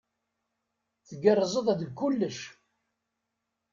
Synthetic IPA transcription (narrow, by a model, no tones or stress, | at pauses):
θəɡərˤzˤəðˤæd̪əɡkːʊlːəʃ